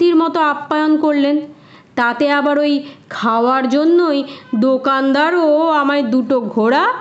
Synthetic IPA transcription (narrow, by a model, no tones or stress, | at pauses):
t̪iɾmɔt̪oapːajonkoɾlen | t̪at̪eabaɾojkʰaoaɾd͡ʑonːojd̪okand̪aɾoamaed̪uʈoɡʱoɽa